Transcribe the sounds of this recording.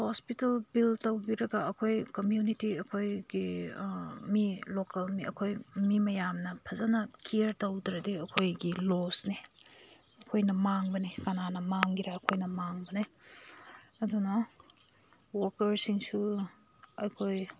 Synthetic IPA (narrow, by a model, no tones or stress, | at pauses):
hospitɐlbiltɐwbiɾɐɡɐɐkʰojkɐmjunitiɐkʰojɡi | milokɐlmiʔɐ̰kʰojmimɐjamnɐpʰɐzanɐkiɐɾtɐwdɾɐdiɐkʰojɡilosni | ɐkʰojnɐmaŋbɐnikananɐmaŋɡiɾaːkʰojnɐmaŋbɐni | ɐdunɐ | wɔɾkɐɾsiŋsu | ɐjkʰoj